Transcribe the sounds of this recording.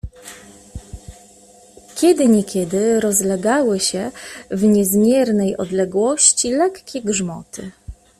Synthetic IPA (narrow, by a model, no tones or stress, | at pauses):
kʲɛd̪ɘɲɛkʲɛd̪ɘɾɔzlɛɡawɘɕɛvɲɛzmʲjɛɾnɛjɔ̰d̪lɛɡwɔɕt͡ɕilɛkːʲɛɡʐmɔ̰t̪ʰɘ